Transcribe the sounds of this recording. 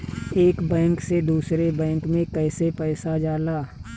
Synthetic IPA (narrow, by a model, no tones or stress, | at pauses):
eːkbɛ̃ːŋksed̪uːsɾebɛ̃ːŋkmẽkɛːsepɛːsad͡ʒaːlaː